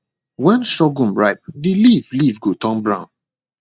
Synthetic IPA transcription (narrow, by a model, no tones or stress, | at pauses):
wɛ̃nʃɔɡũmɹaɪp̚dilivlivɡotɔ̃mbɹãʊ̃n